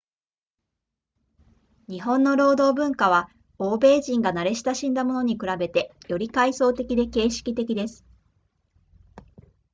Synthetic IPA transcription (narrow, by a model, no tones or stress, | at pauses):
ɲ̟iɦõ̞nːo̞ɾo̞ːd̪o̞ːbɯ̟̃ŋkaβ̞a | o̞ːbe̞ːʑĩŋɡanaɾe̞ɕi̥t̪aɕĩnd̪amo̞no̞ɲ̟ikɯ̟ɾabe̞t̪e̞jo̞ɾʲikaiso̞ːt̪e̞kʲid̪e̞ke̞ːɕi̥kʲit̪e̞kʲid̪e̞sɨ̥